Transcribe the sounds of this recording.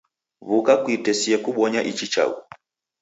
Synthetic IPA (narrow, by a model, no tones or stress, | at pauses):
βukakwitɛsiɛkuɓɔɲaʔit͡ʃit͡ʃa̰ṵ